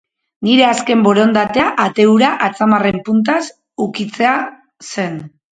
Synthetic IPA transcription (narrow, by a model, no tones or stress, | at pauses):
niɾe̞aske̞mbo̞ɾo̞nd̪at̪e̞aʔat̪e̞uɾaʔat͡samare̞mpunt̪̬as | ukit͡se̞a | se̞n